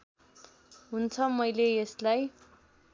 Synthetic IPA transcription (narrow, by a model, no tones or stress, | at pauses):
ɦunt͡sʰʌmʌjleeslaj